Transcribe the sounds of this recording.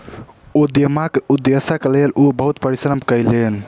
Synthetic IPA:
ud̪jəmakeud̪esəklelʔubəɦut̪pəɾisɾəmʱkəjlen

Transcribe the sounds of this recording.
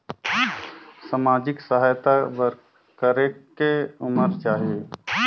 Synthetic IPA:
samaːd͡ʒɪksəɦaːjt̪aʋəɾ | kəɾekeʊməɾt͡ʃaːɦie

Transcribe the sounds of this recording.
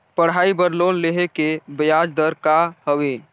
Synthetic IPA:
pəɽɦaibəɾlonleɦekebəjad͡ʒd̪əɾkahəwe

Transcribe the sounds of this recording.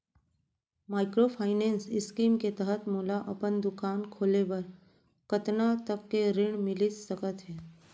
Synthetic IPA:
maːɪkɾopʰaːɪnẽːnsɪskiːmket̪ɛɦət̪moːlaʔɐpənd̪ʊkaːnkʰoːlebɐɾ | kət̪nat̪əkːeɾɪɳ̃mɪlisəkət̪ɦɛː

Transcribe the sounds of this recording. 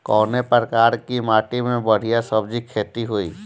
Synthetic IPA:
kɔːnepɾɾəkaːɾkimaːʈimẽbɐɽ̤ijasəbd͡ʒikʰeːt̪iɦoːḭː

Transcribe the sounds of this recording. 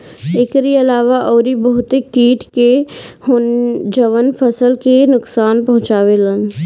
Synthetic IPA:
ɪkɾiɐlaːʋaʔɔːɾibɐɦʊt̪ekiːʈʰkehʊnd͡ʒɐʋənfʰəsəlkenʊksaːnpɐɦʊ̃t͡ʃaːʋelə̃n

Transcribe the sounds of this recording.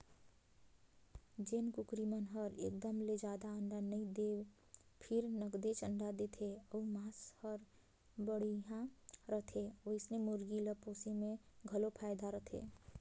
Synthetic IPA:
d͡ʒenkukɾimənɦəɾḛkd̪əmled͡ʒad̪aəɳɖanəid̪ew | pʰɪɾnəɡd̪et͡ʃəɳɖad̪et̪ʰeəumashəɾ | bəɽiɦãɾəɦt̪ʰeoɪsnemuɾɡiləposemeɡʱəlopʰajd̪aɾət̪ʰḛ

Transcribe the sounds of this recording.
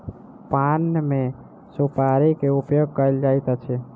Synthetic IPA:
panːme | supaɾikeupjoɡ̚kəəld͡ʒajt̪at͡ʃʰɛ

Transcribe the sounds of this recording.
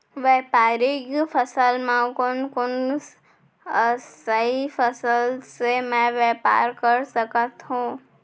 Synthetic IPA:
ʋepaɾikpʰəsəlmãkonkon | əəipʰəsəlsemɛ̃ʋepa̰ɾkəɾsəkət̪ɦũ

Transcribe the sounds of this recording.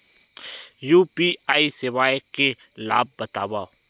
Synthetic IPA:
juːpiːaːisɪʋaːeke | la̰ːb̚ːət̪a̰ːʋaː

